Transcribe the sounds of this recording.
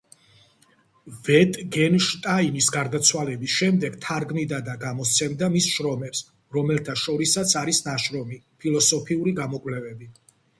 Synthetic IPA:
vɛt̪ʼɡɛnʃt̪ʼaimisɡaɾd̪at̪sʰwalɛbisʃɛmd̪ɛɡt̪ʰaɾɡmid̪ad̪aɡamɔst̪sʰɛmd̪amisʃɾɔmɛps | ɾɔmɛlt̪ʰaʃɔɾisat̪sʰaɾisnaʃɾɔmi | pʰilˠɔsɔpʰiuɾiɡamɔkʼwlɛvɛbi

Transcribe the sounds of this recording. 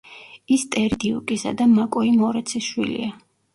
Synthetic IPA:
ist̪ʼɛɾd̪iukʼisa̰d̪amakʼɔimɔɾɛt̪sʰisʃwḭlḭa

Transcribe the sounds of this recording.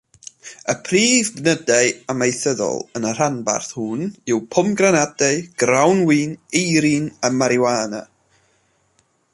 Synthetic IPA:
əpʰriːvɡnədaɨamejθəðɔ̰lˠənər̥anba̰rθhʊnɪwpʰʊmɡranadaɨɡ̥rawnwiːnejɾinamaɾjwaːna̰

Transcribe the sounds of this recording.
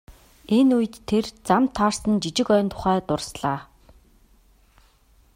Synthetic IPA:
enuj̆t̪ʰːert͡samt̪ʰːarsə̆nt͡ɕit͡ɕɪ̆kœːnt̪ʰʊ̥χæːt̪ʊrsɮaː

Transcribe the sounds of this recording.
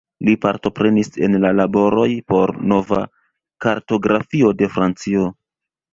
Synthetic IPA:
lipaɾto̞pɾe̞nise̞̰nlalabo̞ɾo̞jpo̞ɾno̞va̰ | kaɾto̞ɡɾafio̞de̞fɾant͡sio̞

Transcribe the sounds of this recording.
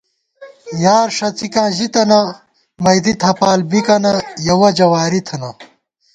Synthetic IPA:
jaːɾʂɐt͡sikãːʑit̪ɐnɐ | mɐjd̪it̪ʰɐpaːlbikɐnɐjɐwɐd͡ʑɐwaːɾit̪ʰɐnɐ

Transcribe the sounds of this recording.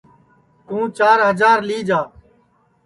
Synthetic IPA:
t̪ũːt͡ʃaːɾɦəd͡ʒaːɾliːd͡ʒaː

